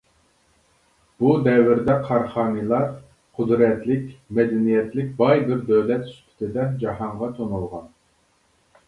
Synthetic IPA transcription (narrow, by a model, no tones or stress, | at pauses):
b̥ud̪ɛwɪɾd̪ɛqʰɑɾχɑːnɨlˠɑɾ | qʰʊd̪ɾɛt̪lɪkʲmɛd̪ɛnijɛt̪lɪk̚ʲbɑjbɪɾd̪øwlɛt̪y̥st̪ʰɪ̥t̪ʰɪd̪ɛd͡ʒɑhɑɴʁɑt̪ʰonulˠʁɑn